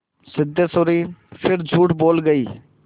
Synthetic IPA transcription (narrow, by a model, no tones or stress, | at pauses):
sɪd̪ʱesoːɾiːpʰɪɾd͡ʒʱuːʈboːlɡəiː